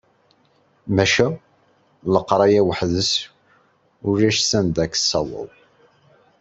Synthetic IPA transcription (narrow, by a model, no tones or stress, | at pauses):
mæʃæ | ləqːɾˤɑjæwəħðəs | ʊɾæʃsænd̪ækə̥sːɑwə̰ðˤ